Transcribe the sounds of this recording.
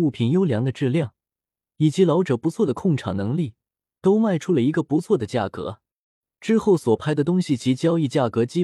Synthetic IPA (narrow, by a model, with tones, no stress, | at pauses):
u˥˩pʰi˨˩njo˥ʊljɑ˧˥ŋd̪ə˧ʈ͡ʂɻ̩˥˧ljɑ˥˩ŋ | i˨˩t͡ɕi˧˥lɑ˧˥ʊʈ͡ʂɤ˨˩pu˧˥t͡sʰwɔ˥˩d̪ə˩kʰʊ˥˩ŋʈ͡ʂʰɑ˨˩ŋnɤ˧˥ŋli˥˩ | t̪o˥ʊma˥˧ɪʈ͡ʂʰu˥lə˨i˧˥ɡə˧pu˧˥t͡sʰwɔ˥˩d̪ə˩t͡ɕja˥˩kɤ̰˧˥ | ʈ͡ʂɻ̩˥xo˥˩ʊswɔ˨˩pʰa˥ɪd̪ə˨t̪̬ʊ˥ŋɕi˨t͡ɕi˧˥t͡ɕjɑ˥ʊi˥˧t͡ɕja˥˩kɤ˧˥t͡ɕi˥